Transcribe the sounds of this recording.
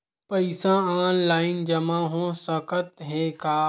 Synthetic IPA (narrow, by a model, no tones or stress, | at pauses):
pɐɪsãaːnlaːɪnd͡ʒɐmãɦõsɐkət̪ɦɛ̃kaː